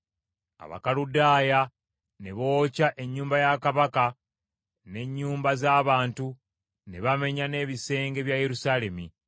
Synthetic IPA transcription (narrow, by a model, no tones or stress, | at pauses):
a̰βa̰kaludaːja | ne̞βo̞ːcaʔe̞ɲːuːmbajakaβaka | ne̞ɲːuːmbazaːβaːntu | ne̞βame̞ɲane̞ːβise̞ːŋɡe̞βjaje̞ɾusaːle̞mi